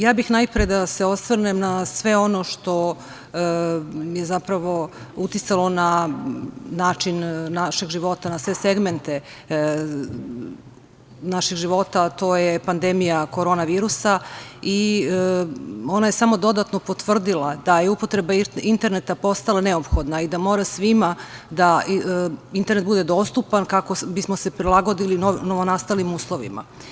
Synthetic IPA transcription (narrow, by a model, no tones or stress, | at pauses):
jaːbixnajpɾijed̪ase̞o̞sʋr̩nemnasʋe̞o̞noʃt̪o̞ | jezapɾaʋo̞ut̪it̪salo̞na | naːt͡ʃinːaʃeɡʒiʋo̞t̪anasʋe̞se̞ɡment̪e̞ | naʃiɡʒiʋo̞t̪at̪o̞ːjepand̪emijako̞ɾo̞ːnaʋiːɾusai | o̞najesamo̞d̪o̞d̪at̪no̞pot̪ʋr̩d̪ilad̪ajeupo̞t̪ɾebaint̪e̞ɾnet̪apo̞st̪alˠane̞opxo̞d̪naid̪amo̞ːɾasʋimad̪a | int̪eɾnet̪bud̪e̞d̪o̞ːst̪upankako̞bismose̞pɾilˠaɡo̞d̪ilinonoʋonast̪alnimuːslˠoʋḭma̰